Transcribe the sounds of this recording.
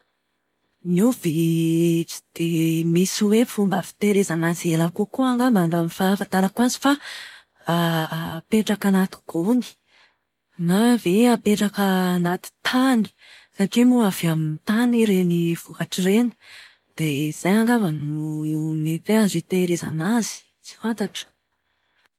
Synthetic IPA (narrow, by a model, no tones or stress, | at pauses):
nive | d̪̥emisiwefumbafi̥t̪eɾezanazelakukuaŋɡamambamivafat̪aɾakuanzi̥fa | apeʈ͡ʂakanat̪u̥ɡ̥oni̥ | naveapeʈ͡ʂakənat̪i̥t̪ʰani̥ | saʈ͡ʂimuavamint̪aniɾeniv̥ukaʈ͡ʂiɾenə̥ | d̪̥ez̥ajaŋɡavanuinet̪eazit̪eɾeza̰nazi̥ | t͡si̥fant̪aʈ͡ʂə̥